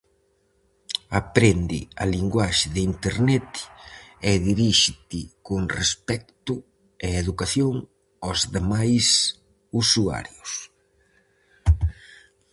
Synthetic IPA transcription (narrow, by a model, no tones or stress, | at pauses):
apɾend̪ɪ̰aliŋɡwaʃɪðɪint̪eɾnɛt̪ | ɛðiɾiʃɪt̪ɪkoŋrespɛk̚t̪ʊ | ɛeðukaθjoŋ | ozðemajs | usua̰ɾjʊs